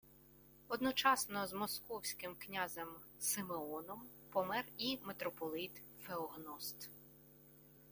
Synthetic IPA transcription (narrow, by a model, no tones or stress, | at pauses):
ɔd̪nɔt͡ʃɑsnɔzmɔskɔwsʲkɪmknʲazɛm | sɪmeɔnɔm | pɔmɛrimet̪ɾɔpɔlˠɪt̪ | feɔɦnɔst̪